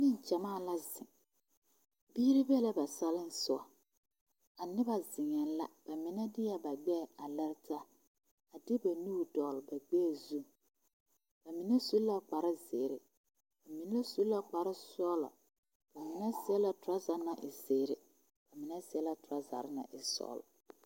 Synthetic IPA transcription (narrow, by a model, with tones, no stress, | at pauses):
nɪ˦n˨t͡ʃa˨maː˦˨la˦zɪ˨ŋ | biː˦ɾɪ˦bɛ˦la˦ba˨sa˦lɪ˦n˦sʊ˦a˨ | a˨nɪ˦ba˦zɪ˨ŋɛ˨la̰˦b̥a˨mɪ˨nɛ˦dɪ˦ja˨ba˨ɡ͡bɛ˦˨a˨lɛ˦ɾɪ˦ta˦ | a˨dɪ˦ba˨nu˦˨dɔ˨lba˨ɡ͡bɛː˦˨zu˦˨ŋ | b̥a˨mi˨nɛ˦su˨˦lla˦k͡pa˨ɾɪ˦ze˨ɾɪ˨ | b̥a˨mi˨nɛ˦la˦su˦lla˦k͡pa˨ɾɪ˦sɔː˦la̰˨ | b̥a˨mɪ˨nɛ˦sɪ˦ɛ˦la˨tʊ˨ɾa˦za˨˦na˨ʔɪ˨zeː˨ɾɪ˨ | b̥a˨mɪ˨nɛ˦sɪ˨˦ɛ˦la˨tʊ˨ɾa˦za̰˨ɾɪ˦na̰˨ʔɪ˨sɔ̰ː˦lʊ̰˨